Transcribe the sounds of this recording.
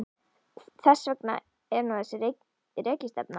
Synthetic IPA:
θɛsːvœkna̰ | ɛɾnuθɛsːɪr | reːcɪst̪ɛ̰p̚na

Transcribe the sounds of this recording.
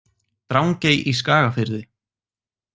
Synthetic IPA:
t̪ɾawŋcejʔiskaːɣafɪɾðɪ

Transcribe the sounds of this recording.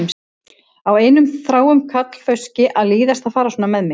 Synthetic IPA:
m | aweːjnʏmθɾaːwʏmkʰat̪l̥fœɥscɪʔaðliːðast̪aðfaːɾasuːnamɛðmɪ

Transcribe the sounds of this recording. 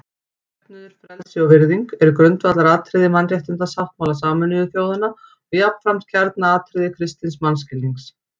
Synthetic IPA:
ɛp̪̚nʏðʏɾ̥fɾɛlsɪɔvɪɾðiŋkɛɾʏkɾʏnt̪vat̪laɾaːt̪ʰɾɪðɪmanrjɛht̪ʏnt̪asafht̪mawlasaːmʏnɪʏθjoːwðʏna | ɔɣjapn̥fɾam̥t̪̚cʰɛɾt̪naaːt̪ʰɾɪðɪkʰɾɪst̪ɪnsmanscɪlːiŋks

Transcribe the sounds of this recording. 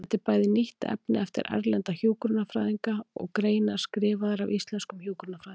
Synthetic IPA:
ɛt̪ːɪɾpaːjðɪniht̪ɛ̰pnɪɛft̪ɪ̰ɾʔa̰ɾlɛnt̪açuːwkɾʏnːafɾaːðiŋkaɔ̰ɣkɾeːjnḁskɾɪːvaðaɾawist̪lɛnskʏmhjuwkɾnafɾað

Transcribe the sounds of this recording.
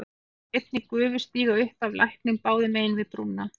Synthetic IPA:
ejt̪̚nikʏʏːvʏ̥st̪iːɣaʏhpavlʔa̰jhknɪmpaːwðɪmeːjɪnvɪðt̪ɾunːa

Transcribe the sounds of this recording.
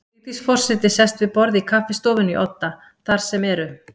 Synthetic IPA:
it̪isfɔr̥sɪt̪ɪsɛst̪vɪðpɔɾðikʰafɪst̪oːwvɪniʔɔ̰t̪ːa | θaɾ̥sɛmɛɾʏ

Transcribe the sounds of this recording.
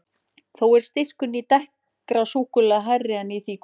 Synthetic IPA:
θowɛɾ̥st̪ɪr̥kʏnit̪ɛh | kɾasuːkʏlaɦarːɪanːiθik

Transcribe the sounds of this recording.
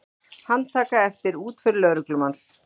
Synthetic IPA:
hant̪ʰaːkaɛft̪ɪɾuːt̪fʏɾlœɣɾʏklʏmans

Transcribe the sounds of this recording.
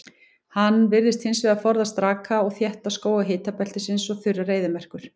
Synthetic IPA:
hanːvɪɾðɪst̪hɪnsvɛɣafɔɾðast̪ɾaːkaɔɣθjɛht̪askoːwɣaɦɪːt̪apɛlt̪ɪsɪnsɔɣθʏrːareːjðɪmɛr̥kʏɾ̥

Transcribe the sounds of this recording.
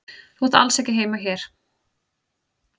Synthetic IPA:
θwɔt̪a̰lsɛhcɪɦeːjmaçɛɾ̥

